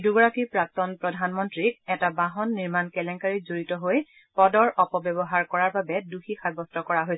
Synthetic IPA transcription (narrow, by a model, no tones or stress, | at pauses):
duɡɔɹakipɹak̚tɔnpɹɔdʱanmɔntɹikɛtabãɦɔnːiɹmankɛlɛŋkaɹizoɹitɔɦoj | pɔdɔɹʔɔpɔbjɔbɔɦaɹkɔɹaɹbabɛduxʰixʰajbɔstɔkɔɹaɦojsɛ